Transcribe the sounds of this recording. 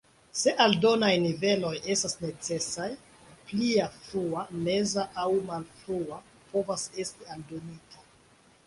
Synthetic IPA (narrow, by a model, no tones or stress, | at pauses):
se̞ʔaldo̞najnive̞lo̞je̞stasne̞t͡se̞saj | pliafɾuame̞zaʔawmalfɾua | po̞vase̞stialdo̞nita